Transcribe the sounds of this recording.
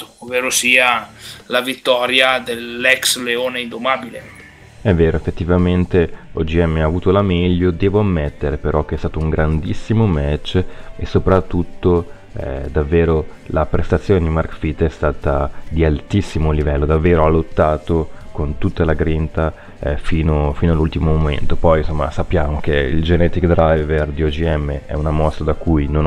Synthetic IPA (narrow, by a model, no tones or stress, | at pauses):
oveːɾosiːalavit̪ːɔːɾjad̪elːɛksleoːneind̪omabile | ɛvːeːɾoefːet̪ːivament̪eɔd͡ʒiɛmːeaːvuːt̪olamɛʎːod̪ɛːvoamːɛt̪ːeɾepeɾʔɔk̟eɛst̪aːt̪ouŋɡɾand̪isːimomɛt͡ʃːesːopɾat̪ːut̪ːo̰ | d̪avːeːɾolapɾest̪at̪sːjoːned̪imarkfit̪ːɛst̪aːt̪ad̪ialt̪isːimolivɛlːod̪avːeːɾoalːot̪ːaːt̪okont̪ut̪ːalaɡɾint̪a | fiːnofiːnoalːult̪imomomḛnt̪opɔjnsomːa̰sapːjaːmok̟eḭld͡ʒenɛt̪ikd̪ɾajverd̪iod͡ʒiɛmːeʔɛ̰unamɔst̪ɾad̪akːujnon